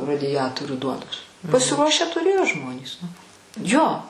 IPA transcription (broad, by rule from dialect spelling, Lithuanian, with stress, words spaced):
rɐdʲɪˈjæːtoːrʲuː ˈduɔnoːs pɐsʲɪˈruɔʃʲæː tʊˈrʲeːjoː ˈʒmoːnʲiːs nʊ ˈjoː